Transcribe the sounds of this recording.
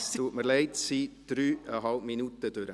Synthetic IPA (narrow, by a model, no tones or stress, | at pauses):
tuːtməɾlɛɪtsid̪̥ɾyːʔəɦɑlpminut̪əd̥øɾə